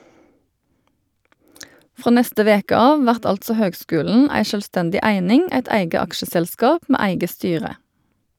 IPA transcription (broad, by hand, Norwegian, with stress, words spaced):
ˈfʁoː ˈnɛstə ˈʋeːkə ˈɑːʋ ˈʋæʁt ˈɑltsɔ ˈhøːɡˌskʉːln̩ ˈæɪ ʃœlˈstɛndɪ ˈæɪnɪŋ ˈæɪt ˈæɪɡə ˈɑkʃəsɛlˌskɑːp ˈmeː ˈæɪɡə ˈstyːʁə